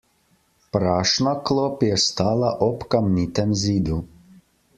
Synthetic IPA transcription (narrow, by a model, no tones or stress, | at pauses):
pɾaʃnaklˠopjɛst̪alaʔopkamnit̪ɛmziːd̪u